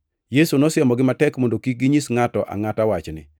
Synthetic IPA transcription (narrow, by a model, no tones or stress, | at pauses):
jesunɔsɪɛmɔɡɪmatɛkmondokik̚ɡiɲisŋatɔʔa̰ŋatawat͡ʃnɪ̰